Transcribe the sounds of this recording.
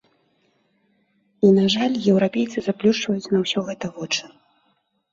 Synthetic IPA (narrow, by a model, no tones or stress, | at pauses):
inaʐalʲjɛwɾapʲejt̪sɨzaplʲuʂt͡ʂvɐjut͡sʲnɐwsʲɔɣɛt̪ɐvɔt͡ʂɨ̥